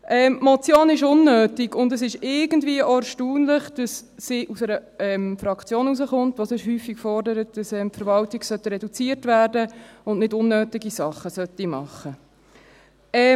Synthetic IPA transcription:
ʔɛːmmɔt͡sjoːnɪʃʊnːøːtiɡ̥ʊndəsɪʃɪɡəndviəʔoæʃtuːnləχd̥ɑsːiʔusɛɾəɛmfɾɑkʰt͡sjoːnuzəχʊntʋosɪʃhyːfikfɔrdəɾət̚d̥ɑsɛmpfəɾvɑltiɡsœtəɾɛdut͡siːəɾtvæːrdəʊnnɪdʊnːøːtiɡisɑχːəsœtimɑ̰χːə | ɛ

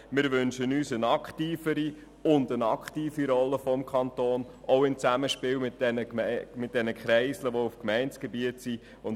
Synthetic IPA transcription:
mɪɾʋʏnʃənyːsənɑkχtiːfəɾi | ʊndənɑkχtiːfiɾɔlːəfɔmkʰχɑntoːn | ʔɔʊɪnt͡sæməʃpɪːwmɪtd̥ɛnəmɪt̚d̥ɛnəkχɾɛɪsləʋoufkmɛɪnt͡sɡ̥ɛbiətsi | ʊn

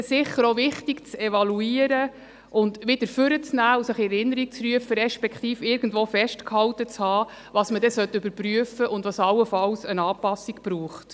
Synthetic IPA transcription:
sɪχːəɾoʋɪχtikt͡sɛvɑluiːəɾə | ʔʊndʋɪd̪̥əɾfʏɾət͡snæːusəχɪɛɾɪnːəɾik̚t͡sryəfəɾɛʃpɛkχt̪iːfɪɾɡ̥ən̩dʋoːfɛʃtkhɑwtət͡shɑː | ʋɑːsmədɛsœtːʏbəɾpɾyəfəʔʊndʋɑsɑwəfɑlsənɑːpɑsikpɾuːχt

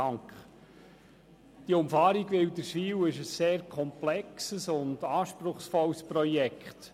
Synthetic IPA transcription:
ɑŋkχ | d̥iəʊmfɑːɾiɡʋɪwdəɾʃʋiːwɪʃəsːeːɾkʰɔmplɛksəsʊndɑːʃpɾʊχsfɔwsprɔjɛkχt

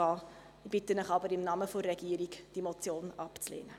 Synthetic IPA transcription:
ɑː | ib̥ɪtənəχɑbəɾɪmnɑːməforːeɡiːəɾikd̥imot͡sjoːnɑpt͡slḛːnə

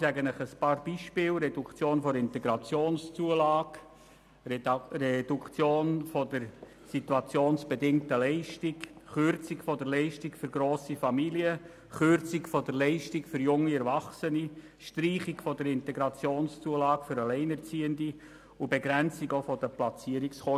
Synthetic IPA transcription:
sɛɡənəχəspɑːɾbiʃpɪːlɾɛdukt͡sjoːnfɔɾɪntɛɡɾɑt͡sjoːnst͡suəlɑːɡ | rɛd̥ukt͡sjoːnfɔdəɾ | situɑt͡sjoːnsb̥edɪŋtəlɛɪʃtɪkχʏɾt͡sikfɔdəɾlɛɪʃtikføɾɡɾoːsifɑmiliə | χøɾt͡sɪkfɔdəɾlɛɪʃtɪkfʏɾjʊŋːiɛɾvɑχsəni | ʃtɾiːχɪɡfɔdəɾɪntɛɡɾɑt͡sjoːnst͡suəlɑːkfʏɾɑlɛɪnɛɾt͡siːəndi | ʊbɛɡɾɛnt͡sɪɡofɔd̥əplɑt͡siəɾiksχɔ

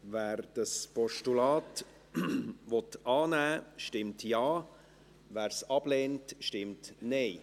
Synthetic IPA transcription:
væːɾd̥ɑspɔʃtulɑːt | ʋɔtʔɑːnæːʃtɪmtjɑː | væːɾsɑb̥leːntʃtɪmtnɛɪ

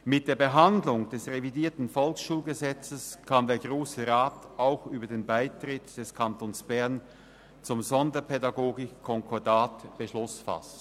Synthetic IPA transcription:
mɪt̚d̥eːɐbəɦandlʊŋd̥ɛsʁevidiːɐtn̩fɔlksʃuːlɡəzɛt͡səskʰandeːɐɡʁoːsəʁaːtaʊxʔyːbɐdeːnbaɪtʁ̥ɪtd̥ɛskʰantʰoːnsb̥ɛɐn | t͡sʊmzɔndɐpʰɛdaɡoːɡɪkʰːɔŋkʰɔɐdaːtb̥əʃlʊsfa̰s

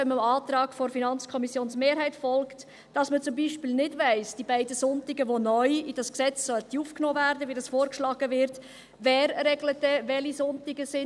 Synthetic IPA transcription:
ɛməmɑːt̪ɾɑːɡ̥fɔɾfinɑnt͡skʰɔmisjoːnsmeːɾɦɛɪtfɔlkt | d̥ɑsmət͡sʊmbiːʃpiːlnɪdvæɪsd̥ibæɪdəsʊntɪɡəʋonœʏid̥ɑsksɛt͡ssœltiufknoːvæɾdəʋidɑsfoːɾkʃlɑːɡ̥əvɪɾt | vɛːɾɾɛɡlət̚dɛʋɛlisʊntɪɡəsɪ

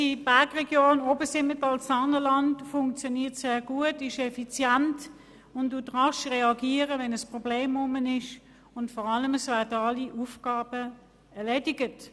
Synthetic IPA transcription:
ib̥æɐɡʁɛɡjoːnɔbəsɪmətɑlsɑnəlɑntfʊŋkt͡sjɔniːɐtseːɡuətɪʃɛfit͡sjænt | ʊntd̥utʁɑʃʁɛɑɡiːəʁəvɛnəspʁɔbleːmʊmənɪʃ | ʊntfɔʁɑləməsvɛɐdəɑliʔufɡ̥ɑːbə | ɛɐleːdɪɡət

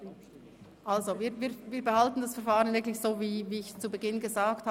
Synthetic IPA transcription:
ʔalzoviːɾviːviːɾbəhaltn̩dasfɛɐɾfaːʁənvɪklɪçz̥oːviːviːɪçt͡subəɡɪnɡəzaːktha

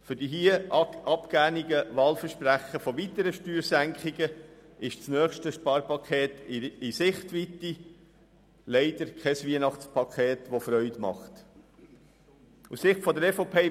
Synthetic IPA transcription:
fʏɾd̥iɦiəʔɑpkæːniɡəʋɑːlfəʃpɾæχəfɔʋit̪əɾəʃtyːɾsæŋkχiɡəɪʃt͡snœːχʃtəʃpɑːɾpʰɑkʰχeːt̪ɪsɪχt̪ʋit̪ːi | lɛɪd̥əɾkχɛsʋiənɑχt͡spʰɑkχeːt̪ʋofɾœʏtmɑ̰χt̪ | ussɪχtfɔd̪əɾɛfopʰeː

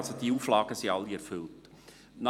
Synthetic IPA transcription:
lsod̥̪iuːflɑːɡəsiɑlːiɛɾfʏlt | n

